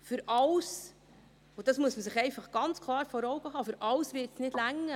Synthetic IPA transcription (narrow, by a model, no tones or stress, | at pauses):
fʏɾɑws | od̥ɑsmuəsməsɪχɛɪfɑχɡ̥ɑnt͡skʰlˠɑːɾfɔɾɔwɡ̥əɦɑːfʏɾʔɑwsvɪːtsnɪd̥læŋːə